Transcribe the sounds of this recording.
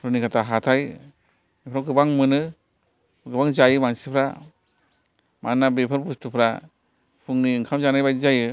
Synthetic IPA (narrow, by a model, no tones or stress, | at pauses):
ɾɯnikʰatʰaɦatʰaj | mipʰɾawɡɯbaŋmɯnɯ | ɡɯbaŋzajɯmansipʰɾa̰ | manːabepʰɯɾbustʰupʰɾa | pʰuŋniːŋkʰamzanajbajzajɯ